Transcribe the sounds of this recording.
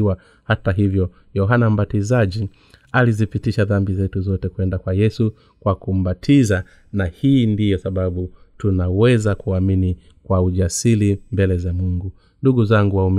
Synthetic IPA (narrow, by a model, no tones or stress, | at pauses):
wa | hataɦivjɔ | jɔɦanam̩batizaʄi | alizipitiʃaðambizɛtuzɔtɛkuɛndakwajɛsu | kwakum̩ɓatʰiza | nahiːndijɔsaɓaɓutunawɛzakuamini | kwauʄasilimbɛlɛzamuŋɡu | nduɡuzaŋɡuwaum